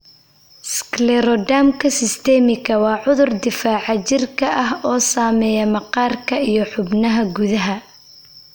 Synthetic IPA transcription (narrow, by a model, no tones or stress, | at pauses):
sklɛɾɔd̪aːmkʰɐsɪst̪ʰɛːmɪkʰɐwɑːʕʊðʊrd̪ɪfaːʕɑt͡ʃɪrkʰɐʔɐɦɔːsaːmɛːjɐmɐqɑːrkʰɐijɞħʊbnɐɦɐɡuðɐɦɐ